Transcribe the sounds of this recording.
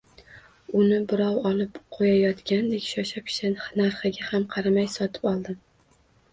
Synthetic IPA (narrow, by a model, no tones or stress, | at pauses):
ʊnɪbɪɾɒwɒlˠɪpqʰojajɒt̪kʲand̪ekʲʃɒʃap̚kʲʰɪ̥ʃanɪnaɾχɪɡʲahamqʰɑɾamajsɒt̪ʰɪ̥pɒlˠd̪ɪ